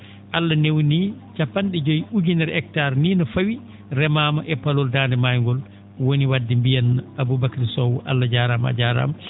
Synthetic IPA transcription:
ʔalːanewnit͡ʃapːanɗɛd͡ʒɔjuɡinɛɾɛk̚taɾniːnɔfawi | ɾɛmaːmaʔɛpalɔldaːndɛmajŋɡɔl | woniwadːimbijanabubakaɾsɔwɔʔa̰lːad͡ʒaɾama̰d͡ʒaɾa̰m

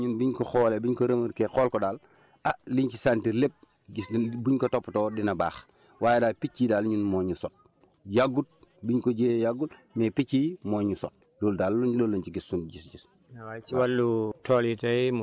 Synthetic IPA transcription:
ɲunbiɲkɔxɔːlebiɲkoɾemuɾkexɔːlkɔdaːl | aliɲt͡ʃisantiɾlep̚ | sbuɲkɔtɔpːtɔːdinɐba̰ːx | waːjedaːlpicːidaːlɲunmɔɲusɔt̚ | jaɡut̚biɲkɔɟeːjaɡutmɛpiciːmɔːɲusɔt̚ | loːldaːlulolːuɲt͡ʃiɡisːunɟisd͡ʒis | nɐwat͡ʃiwalːutʰɔːlitɐm

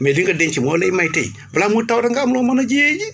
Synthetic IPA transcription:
meliŋɡədeɲt͡ʃimolejmajiteḭ | blamutawɾaŋɡamlomanad͡ʒijed͡ʒi

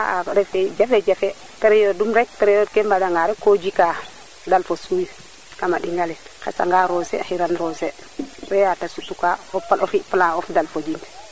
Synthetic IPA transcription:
aaɾɛfed͡ʒafed͡ʒafe | tɛɾejodumɾek̚tɛɾɛjodkembadaŋɡaɾɛkod͡ʒika | dalfosuj | kamaɗiŋɡalɛkḛsa̰ŋɡaɾosḛxiɾanɾose | ɾɛjatasutukaɔpalofipəlaofdalfod͡ʒind

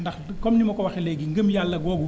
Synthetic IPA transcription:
ndɐxkɔmnimɐkɔwɐxɛlɛɡiŋɡəmjalːɐɡɔːɡu

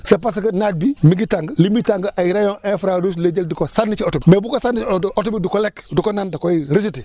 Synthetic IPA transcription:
sepas̬ikənat̚bimiɡitaŋɡlimitaŋɡʔajiɾajõŋʔefɾadus̬led͡ʒeldikosanːit͡ʃiotubimebukosanːiotubidukolekdukonandakoiɾis̬iti

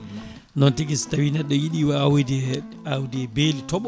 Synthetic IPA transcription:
nɔntiɡistawinɛɗɔjiɗiwaawdɛ | awdɛbelitɔɓ

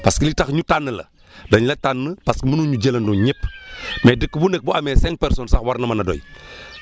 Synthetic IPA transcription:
paskilitaxɲutanːəlɐ̰ | doɲlɐtanːəpaskəmənuɲuɟelɐnduɲepːmeːdəkːbunek̚buamɛːsɛŋk̚pɛɾsonsaxwaɾnɐmɐnado̰j

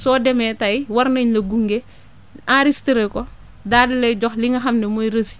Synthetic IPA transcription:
sɔːdɛmɛtɐjwɐɾnɐɲlɐɡuŋɡe | aɾistiɾɛkɔ | daːdilɐjɟɔxliŋɐxɐmnɛmɔjɾəsi̥

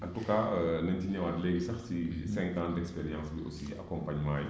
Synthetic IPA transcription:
ɐtukanɐntiɲɛwadlɛːɡisɐxsisɛ̃ŋkãːndɛkspɛɾijãnsbiʔo̰sia̰kɔmpaɲmaːj

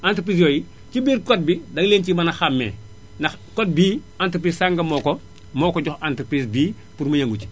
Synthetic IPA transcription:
antɾp̬ɾis̬joːji | cibiːɾkɔt̚bidɐŋleːncimɐnɐxamːɛ̰ː | nɐ | kot̚biː | antɾpɾiːssaŋɡɐmɔːko | mɔːkɔɟɔxantɾpɾisbiː | puɾmɐjɐŋɡuci̥

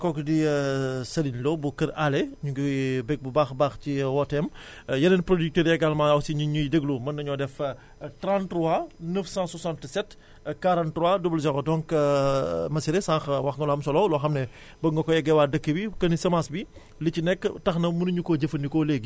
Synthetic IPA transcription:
kɔkdisɐlinlɔbukɐɾalɛɲuɡibɛk̚bubaːxbaːxciwɔtɛm | jɐlɐnpɾodik̚təːɾjɛɡalmaɐwsiɲuɲudəɡlumɐnːɐɲɔdɛf | tɾãntɾuanəfsãsɔsãntsɛt | kaɾãntɾuwadubəld͡ʒɐɡɔdɔŋk | mɐsiɾesãŋxwɐxŋɡɐlɔhɐmsɔlɔlɔːxɐmnɛ | bɐŋɡɐkɔjɛɡɛwaːdɐkːəbikɐnisɐmasbi | licinɛkːtɐxnɐmunuɲukoɟɐfɐndikoleɡ

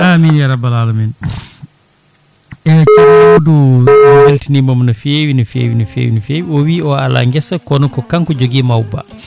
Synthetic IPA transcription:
ʔaminjaɾabalaːlɔmɛn | ɛt͡ʃanawodujeltinimamnafeːwinufḛwinufḛːwinufeːwiɔwiːɔala̰ŋɡɛsakɔnɔkɔkaŋkɔd͡ʒoɡimawba̰

